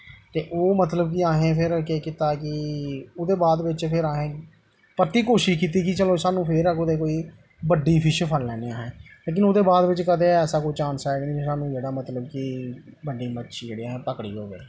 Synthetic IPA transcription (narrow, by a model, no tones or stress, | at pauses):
t̪eːʔoːmət̪ləbkɪaːɦẽːpʰɪɾkeːkit̪aːkɪʊːd̪eːbaːd̪ʋɪt͡ʃpʰɪɾaːɦẽː | pət̪iːkoːʃɪʃkiːt̪iːkɪt͡ʃəloːsaːnũːpʰɪɾəkod̪eːkoːiː | bəɖiːpʰɪʃpʰəlːɛːneːaːɦẽːleːk̬ɪnoːd̪eːbaːd̪ʋɪt͡ʃkəd̪eːɛːsaːkoːit͡ʃãːnsɛːɡnĩːsaːnũːd͡ʒeːɽaːmət̪ləbkɪbəɖiːmətːʃʰiːd͡ʒeːɽiːaːɦẽːpəkɽḭːɦo̰ːɡḛː